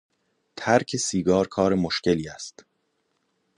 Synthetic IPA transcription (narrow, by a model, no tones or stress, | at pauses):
t̪ʰæɾkʰe̞siːɡɒːɾkʰɒːɾemoʃceliːæst̪